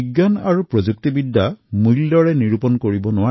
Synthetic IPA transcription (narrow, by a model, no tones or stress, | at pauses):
iɡːana̰ɹupɹɔzuk̚tibidʱːamuldɔɹɛniɹupɔnkoɹibɔnʊwa